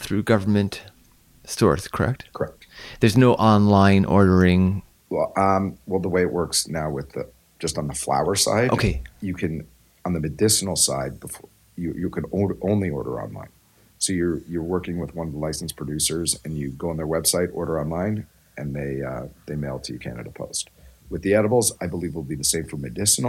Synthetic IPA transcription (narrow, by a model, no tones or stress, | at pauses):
θɹʉɡʌvə˞mɨ̃nt | stɔ̰ɹθkʰə˞ɛ̰k̚tkʰə˞ɛk̚t̚ðə˞znoʊʔɑ̃nlãɪ̃nʔɔ̰ɹɾə˞ɪ̃ŋ | wʌ̃mwɛlˠðəweɪɨʔ̚wʔɜ˞ksnaʊwɨðɨ̥ | d͡ʒ̥ʌstn̩ðəfla̰ʊə˞sa̰ɪdʔoʊkʰeɪjɨkʰɨ̃n | ə̃nðɨmɨdɪsn̩l̩ˠsa̰ɪd̚bəf | jɨjɨkʰɨ̃nõʊɾə˞ʔõʊ̃nliɔ̰ɹɾə̰˞ɑ̰̃nlã̰ɪ̃n | soʊjə˞jə˞wɜ˞kɪ̃ŋwɨðwʌ̃nʌvðəlaɪsn̩spʰɹ̥ɨdʉsə˞zɨ̰̃njɨɡoʊə̃nðə˞wɛb̥saɪɾɔ̰ɹɾə˞ɑ̃nlãɪ̃n | ɨ̃nðeɪʌðeɪmeɪlˠtʰɨjɨkʰæ̰nɨ̰ɾəpʰo̰ʊst̚wɨðiɛɾəbl̩ˠzaɪbəlivlˠbiðɨseɪv̥fə˞mɨdɪsn̩ˠ